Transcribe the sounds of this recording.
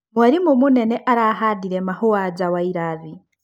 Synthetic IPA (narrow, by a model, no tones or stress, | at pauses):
mwaɾimumuneneʔaɾaɦadiɾemahuwad͡ʒawaiɾavi